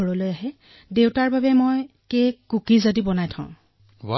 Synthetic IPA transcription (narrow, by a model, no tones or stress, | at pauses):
ɔɹɔlojaɦɛ | dewtaɹbabɛmoj | kekukizadibɔnajtʰã̰ʊ̰̃ | wa